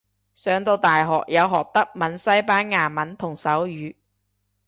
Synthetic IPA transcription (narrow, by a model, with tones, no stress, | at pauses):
sœː˨˧ŋt̪o˧wt̪aː˨jɦɔ̰ː˨k̚jɐ˨˧wɦɔː˨k̚t̪ɐ˥k̚mɐ˨˧˥nsɐ˥jpaː˥nŋaː˨˩mɐ˨˥nt̪ʰʊ˨˩ŋsɐ˨˥wjyː˨˥